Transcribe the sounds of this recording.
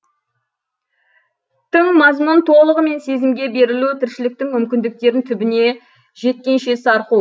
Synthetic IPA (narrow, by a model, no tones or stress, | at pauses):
t̪ʰəɴmɑzmunt̪ʰo̞lˠəʁəme̞nse̞zɪmɡʲe̞be̞ɾɪlut̪ʰɪɾʃɪlɪk̚t̪ɪŋmʏmkʲɪnd̪ɪk̚t̪e̞ɾɪnt̪ʰʏbɪne̞ | ʒe̞t̪̚kʲe̞nʃe̞sɑɾqu